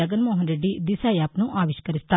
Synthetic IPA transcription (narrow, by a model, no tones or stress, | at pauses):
əɡənmoːɦənɾeːɖiːd̪ɪsaːjapnũːʔaːʋɪʃkəɾɪst̪a